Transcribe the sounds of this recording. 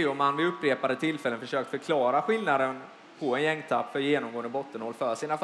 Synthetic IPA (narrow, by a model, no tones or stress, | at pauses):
ʊmanːvɪɵpːɾeːpad̪ət̪ʰɪlfɛlːənfœʂøːk̚t̪fœɾkʰlɑːɾaɧɪlnad̪ən | pʰɔɛnjɛŋːt̪ʰapːfœɾjeːnɔmɡoːənd̪əbɔt̪ːənhɔlːfœʂiːnaf